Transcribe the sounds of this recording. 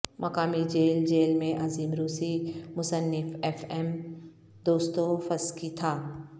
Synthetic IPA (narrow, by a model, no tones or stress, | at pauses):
mʔɐkaːmid͡ʒeːld͡ʒeːlmẽʔɐziːmɾuːsimʊsənːɪfɛfɛm | d̪oːst̪ofɐskit̪ʰaː